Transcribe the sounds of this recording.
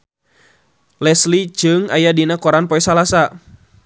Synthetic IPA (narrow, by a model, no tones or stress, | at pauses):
lɛslid͡ʒɨŋajadinakɔɾanpɔɛsalasa